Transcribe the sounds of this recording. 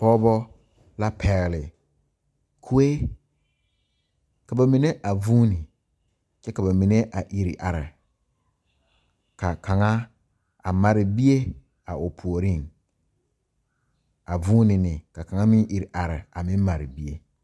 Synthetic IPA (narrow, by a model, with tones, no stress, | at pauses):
pɔː˦bɔ˦ | la˦pʰɛ˨ɣɪ˨lɪ˨ | kʰu˦e˦ | ka˨ba˨mi˨ne˦ʔa˨vuː˦nɪ˨ | t͡ʃɛ˦ka˨ba˨mi˨ne˦ʔa˨ʔi˨ɾi˨ʔa˨ɾɪ̰˨ | ka˨ka˨ŋa˦ | a˨ma˨ɾɪ˨bi˦e˦ | a˨ʊ˨pʰu˨o˨ɾi˦˨ŋ | a˨vuː˦nɪ˨nɪ˨ka˨ka˨ŋa˦mɪ̃˦ŋʔi˨ɾʔa˨ɾɪ̰˨a˨mɪ̃˦m˦ma˨ɾɪ˨bi˦e˦